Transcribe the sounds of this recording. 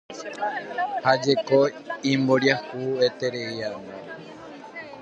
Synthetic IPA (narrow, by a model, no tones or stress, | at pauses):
had͡ʒe̞koimboɾjahuet̪e̞ɾeiano